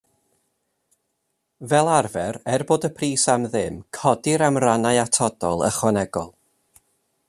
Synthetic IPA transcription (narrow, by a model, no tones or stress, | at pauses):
vɛlˠarvɛrɛrboːdəpʰriːsamðɨmkʰɔdɪɾamranaɨatʰɔd̥ɔlˠə̰χwanɛɡɔ̰lˠ